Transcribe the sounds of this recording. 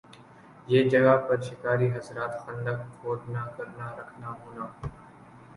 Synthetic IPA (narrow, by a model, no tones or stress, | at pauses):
jeːd͡ʒəɡaːpəɾʃɪkaːɾiːɦəsɾaːt̪xənd̪əkfoːd̪naːkəɾnaːɾəkʰnaːɦõːnaː